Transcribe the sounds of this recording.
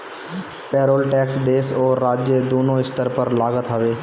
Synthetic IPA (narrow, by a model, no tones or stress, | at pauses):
pɛːɾoːlʈɛːksd̪eːsoːɾːaːd͡ʒjəd̪oːnõɪst̪əɾpəɾlaːɡət̪ɦəʋeː